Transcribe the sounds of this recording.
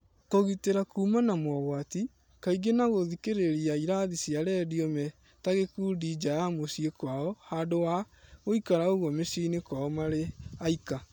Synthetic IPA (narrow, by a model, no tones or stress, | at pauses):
koɣiteɾakuːmanamwɔɣwati | kaiɡenaɣoðikeɾeɾiaiɾaðisjaɾɛːdiɔmɛ | taɣekuːdiːd͡ʒajamosiekwaɔhaːdowa | oikaɾaoɣwɔmesiːnekwaɔmaɾeaika